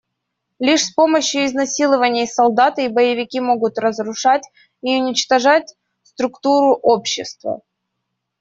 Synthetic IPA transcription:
lʲiʂspo̞məɕjʊɪznɐsʲilˠəvənʲɪjsɐlˠd̪at̪ɨibəjɪvʲɪkʲimo̞ɡʊt̪rəzɾʊʂatʲ | iʊnʲɪt͡ɕt̪ɐʐatʲ | st̪ɾʊkt̪uɾʊʔopɕːɪst̪və̰

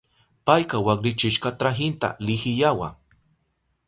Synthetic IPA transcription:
pajkawaχɾɪt͡ʃɪʃqat̪ɾaɦɪnt̪a̰lɪxɪjawa̰

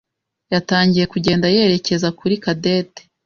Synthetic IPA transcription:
jataːɲɟije̞kuɟe̞ːndaje̞ɾe̞ce̞zakuɾikade̞ːte̥

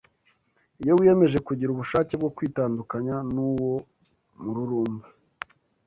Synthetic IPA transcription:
ijo̞wijeme̞ʒe̞kuɟiɾuβuʃaːceb̚ɡo̞kwiːtaːndukaɲanuːwo̞ | muɾuɾuːmbu

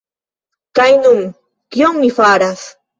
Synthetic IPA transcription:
kajnʊm | kjoŋmɪfaːɾas

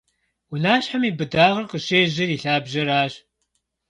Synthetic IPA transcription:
wʊnaːɕħamiːbɨdaːʁɐrqəɕeːʒɐriːɬaːbʒɐɾaːɕ

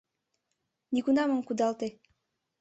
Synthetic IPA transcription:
nikunɑməmkud̪ɑlt̪e

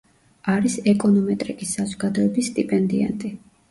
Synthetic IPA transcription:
aɾisɛkʼɔnɔmɛt̪ʼɾikʼisːazɔɡad̪ɔɛbisːt̪ʼipʼɛnd̪ia̰nt̪ʼi

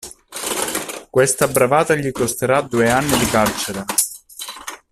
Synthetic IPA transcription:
kwest̪abɾavaːt̪aʎikost̪eɾad̪ueanːid̪ikart͡ʃeɾa

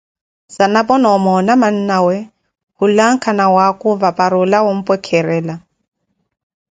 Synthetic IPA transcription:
sanapʼɔnɔmɔnaman̩nawɛ | hʊlaŋ̩kʰanawakʼʊvapʼaɾʊlawom̩pʼwɛkʰɛɾɛːla

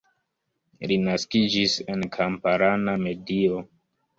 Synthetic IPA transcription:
linaskid͡ʒise̞nkʰampaɾaname̞dio̞

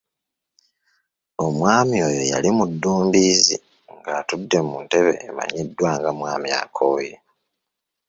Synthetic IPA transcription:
o̞mwaːmio̞ːjo̞ja̰limudːuːmbiːzi | ŋɡatudːe̞munte̞βe̞̰ːma̰ɲidːwaːŋɡamwaːmia̰kʰoːje

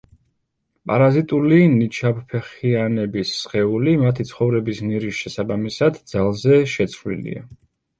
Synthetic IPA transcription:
pʼa̰ɾazit̪ʼulinit͡ʃʰabpʰɛχianɛbisːχɛulimat̪ʰit̪sʰχɔvɾɛbisniɾisʃɛsabamisad̪d̪z̥alˠzɛʃɛt̪sʰvlḭlḭa̰

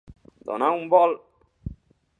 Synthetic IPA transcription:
d̪o̰naumbɔl

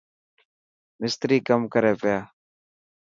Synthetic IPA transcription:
mɪst̪ɾiːkəmkəɾeːpɪjaː

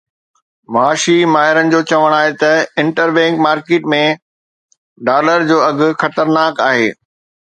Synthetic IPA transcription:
maːʃimaːɦɪɾənɪ̆d͡ʑoːt͡ɕɐʋəɽ̃aːɦet̪ɐɪ̃ɳʈəɾbɛ̃ːŋkmaːɾkeːʈmẽ | ɖaːləɾd͡ʑoːɐɡʱʊ̆xɐt̪əɾnaːkaːɦḛː

